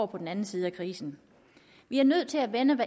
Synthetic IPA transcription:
pʰɒ̽d̥n̩ænn̩siːð̞̩ˠækʰʁiːsn̩ | ʋiæɐnøð̰ˠt͡sʰe̝læʋenəʋæ

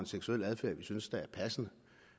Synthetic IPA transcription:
e̝nseɡ̥suel̰æð̞ˠfæɐ̰ʋisynsd̥æ̈æɐpʰæsənə

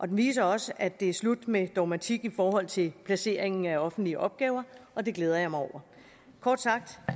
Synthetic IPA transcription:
ʔɒ̽d̥enʋḭːs̬ɐɒ̽səʔæd̥e̝æɐslud̥med̥ɒmæt͡sʰiɡ̥ifɒːɦɒ̽l̰t͡sʰe̝lpʰlæse̝̰ɐeŋn̩æɒ̽fn̩d̥liəʔɒ̽b̥̚ɡ̥ɛːʊɐʔɒ̽d̥e̝ɡ̥leːð̞ˠɐjɑ̈mɑɪɒʊ̰ɐ | kʰɒ̰ːd̥sɑ̈ɡ̥̚d̥

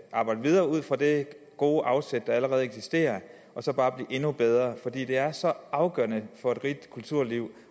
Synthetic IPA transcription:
ʔɑ̈ːb̥ɑ̈ɪd̥əʋið̞ˠɐːuð̰ˠfɒd̥e̝ | ɡ̥o̝ːʔɑ̈ʊsed̥d̥ɑ̈æləʁɛːð̩ˠeɡ̥sisd̥e̝̰ːɐ | ʔɒ̽sɒ̽b̥ɑ̈ːb̥liːʔe̝nub̥eð̞ˠʁɐfɒ̽d̥ḭːd̥e̝æɐsɒ̽ʔɑ̈ʊɡ̥ɶ̰ɐnəfɒ̽e̝d̥ʁid̥kʰult͡sʰuɐ̰liʊ̰

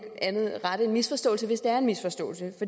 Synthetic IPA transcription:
ænð̞̩ˠʁɑɾəe̝nmisfɒ̽sd̥ɔ̰̽ːlsəʋe̝sd̥eæɐenmisfɒ̽sd̥ɔ̰̽ːl̩səfɒ̽d̥

